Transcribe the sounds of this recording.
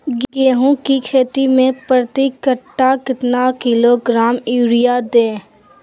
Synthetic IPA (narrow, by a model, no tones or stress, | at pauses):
ɡɡeːɦũkikʰeːt̪imẽpɾət̪ikəʈːakɪt̪nakɪloɡɾaːmiːɾijad̪ẽː